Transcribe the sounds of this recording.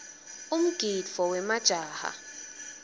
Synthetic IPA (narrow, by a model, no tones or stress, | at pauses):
um̩ɡ̥ʱifɔwɛmad̥ʒ̥ʱaːha̰